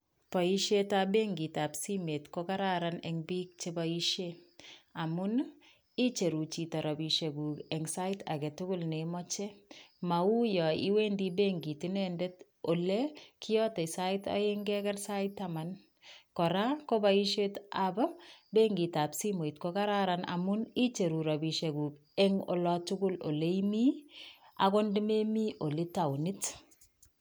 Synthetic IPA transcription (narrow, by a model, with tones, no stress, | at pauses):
pa˨i˦ʃe˦tabe˦ŋɡi˨ta˨psi˦me˨tkoka˦ɾaɾanɛŋbi˦k̚t͡ʃeba˨i˦ʃe | a˨mʊ˦n | i˦t͡ʃe˨ɾu˨t͡ʃi˨tɔ˨ɾɔ˨bi˨ʃe˨ɡu˨kɛ˨ŋsa˦ɪta̰˨ke˨tʊ˦kʊlnemɔt͡ʃe˦ma˨u˦jɔ˨ḭ˦we˦ndibeŋɡi˨ti˦nendet | o˨le˦kʰɪjɔ˦te˨sa˦ɪ˦ta̰˨jeŋɡɛ˦kɛ˦rsa˦ɪtːaman | kɔ˨ɾa˦ko˦baiʃe˦tababe˦ŋɡi˨ta˨psi˦mo˨i˨t̚koka˦ɾaɾana̰˨mʊni˦t͡ʃe˨ɾu˨ɾa˨bi˨ʃe˨ɡuː˨k | ɛ˦ŋo̰˨lɔtʊɡʊ˦lo̰˨le˦imi˦ | a̰˨ko˦ndime˦mi˦ʔo˨li˦ta˨wni˦t